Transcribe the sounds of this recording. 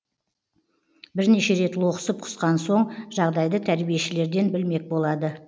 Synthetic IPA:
bɪɾne̞ʃe̞ɾe̞t̪lˠoqə̥səp̚qʰʊ̥sqɑnso̞ɴʒɑʁd̪ɑjd̪ət̪ʰæɾbije̞ʃɪle̞ɾd̪e̞nbɪlme̞k̚bo̞lˠɑd̪ə

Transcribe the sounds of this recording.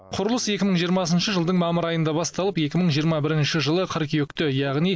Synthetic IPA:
qʰʊɾəlˠəse̞kʲɪməɴʒijəɾmɑsənʃəʒəlˠd̪əɴmɑməɾɑjənd̪ɑbɑst̪ɑlˠəpe̞kʲɪməɴʒijəɾmɑbɪɾɪnʃɪʒəlˠəqʰəɾkʲeʏkt̪ɪjɑʁnij

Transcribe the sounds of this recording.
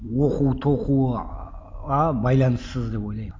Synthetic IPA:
woquwt̪ʰo̞qu | ʁɑbɑjlˠɑnəsːəzd̪e̞po̞jlˠɑj

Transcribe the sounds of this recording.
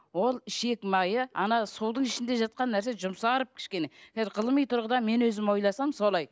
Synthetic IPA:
wo̞lˠɪʃe̞kmɑjəɑnɑsuwd̪əɴɪʃɪnd̪e̞ʒɑt̪̚qɑnːæɾse̞ʒʊmsɑɾəp̚kʲʰɪ̥ʃkʲe̞ne̞kʰʲæzɪɾqʰəlˠəmijt̪ʰʊɾʁəd̪ɑme̞nwɵzɪmwo̞jlˠɑsɑmso̞lˠɑj

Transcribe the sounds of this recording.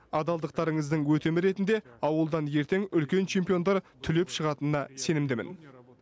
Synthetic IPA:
ɑd̪ɑlˠd̪əq̚t̪ɑɾəɴəzd̪əɴwɵt̪e̞mɪɾe̞t̪ɪnd̪e̞ɑwəlˠd̪ɑnje̞ɾt̪e̞ŋʏlkʲe̞nt͡ʃʰe̞mpijo̞nd̪ɑɾt̪ʰʏle̞pʃəʁɑt̪ənənɑse̞nɪmd̪ɪmɪ̰n

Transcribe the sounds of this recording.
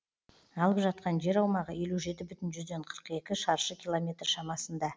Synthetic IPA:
ɑlˠəpʒɑt̪̚qɑnʒe̞ɾɑwmɑʁəje̞luʒe̞t̪ɪbʏt̪ɪnʒʏzd̪e̞ɴqʰə̥ɾəqe̞kʲɪʃɑɾʃəkʲilˠo̞mʲe̞t̪rʃɑmɑsənd̪ɑ

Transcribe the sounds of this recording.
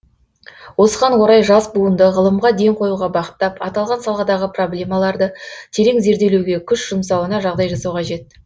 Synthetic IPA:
wo̞səʁɑnwo̞ɾɑjʒɑsbuənd̪əʁəlˠəmʁɑd̪e̞ŋqʰo̞juʁɑbɑqə̥t̪ːɑpɑt̪ɑlˠʁɑnsɑlˠʁɑd̪ɑʁəpro̞blʲe̞mɑlˠɑɾd̪ət̪ʰe̞ɾe̞ŋze̞ɾd̪e̞lewɡʲe̞kʲʰʏʃʒ̥ʊmsɑwənɑʒɑʁd̪ɑjʒɑsɑwqʰɑʒe̞t̪ː

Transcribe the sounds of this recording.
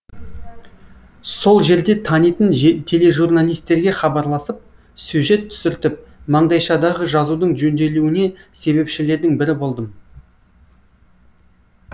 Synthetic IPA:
so̞lˠʒe̞ɾd̪e̞t̪ʰɑnijt̪ənt̪ʰe̞le̞ʒurnalʲijst̪e̞ɾɡʲe̞χɑbɑɾlˠɑsəp̚ | sʉʒe̞t̪ʰːʏ̥sɪɾt̪ɪp̚ | mɑɴd̪ɑjʃɑd̪ɑʁəʒɑzud̪əɴʒɵnd̪e̞luɪne̞se̞βe̞pʃɪle̞ɾd̪ɪŋbɪɾɪbo̞lˠd̪əm

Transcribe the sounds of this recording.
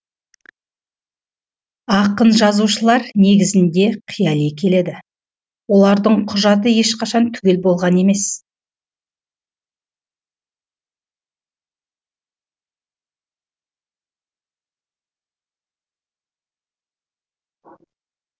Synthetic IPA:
ɑqənʒɑzuʃəlˠɑɾne̞ɡʲɪzɪnd̪e̞qʰijɑlekʲʰe̞le̞d̪ɪ | wo̞lˠɑɾd̪əɴqʰʊʒɑt̪̬əje̞ʃqʰɑʃɑnt̪ʰʏɡʲe̞lbo̞lˠʁɑne̞me̞s

